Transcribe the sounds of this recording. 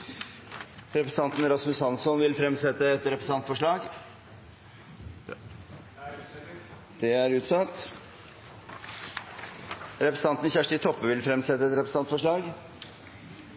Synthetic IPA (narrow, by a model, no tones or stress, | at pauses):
ɾɛpɾəs̩ɑnt̪n̩ɾɑsmʉshɑnsɔnʋɪlfɾɛmsɛt̪ːəɛt̪ɾɛpɾəsɑnt̪fɔʂɭɑːɡ | d̪̥ɛæɾʉːt̪sɑt̪ | ɾɛpɾsn̩ɑnt̪n̩çæʂʈɪt̪ʰɔpːəʋɪlfɾɛmsɛt̪ːəɛt̪ɾɛpɾəs̩ɑnt̪fɔʂɭɑːɡ